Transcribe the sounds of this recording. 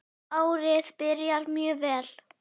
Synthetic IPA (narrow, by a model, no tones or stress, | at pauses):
aːwɾɪðpɪɾjaɾmjœːvɛːl